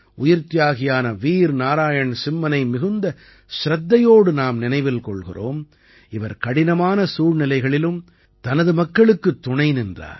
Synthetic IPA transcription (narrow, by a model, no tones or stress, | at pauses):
ʔʊjɪɾt̪ːɪjaːɣɪjaːnɐʋiːɾnaːɾaːjɐɳsɪmːɐnɐɪmɪɣɯnd̪ɐ | ʃɾɐd̪ːɐjoːɽɯnaːmnɪnɐɪʋɪlkɔɭɣɪ̰ro̰ːm | ɪʋɐɾkɐɽɪnɐmaːnɐsuːrnɪlɐɪɣɐɭɪlɯm | t̪ɐnɐðɯmɐkːɐɭɯkːɯt̪ːʊɳɐɪnɪndra̰ːɾ